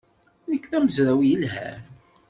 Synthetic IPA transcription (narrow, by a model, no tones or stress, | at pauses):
ðəkːθæməzɾæwjəlɦæ̰ɾ